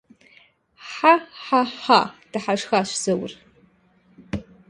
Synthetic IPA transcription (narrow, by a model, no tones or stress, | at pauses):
ħaħaħad̥aħaʂxaʃʷz̥ɨwr